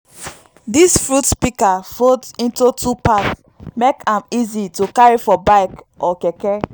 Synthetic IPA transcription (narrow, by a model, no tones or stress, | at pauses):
disfɹutpikafodĩntutʰupats | mekãmizitukaɹifɔbaɪk | ʔɔkɛkɛ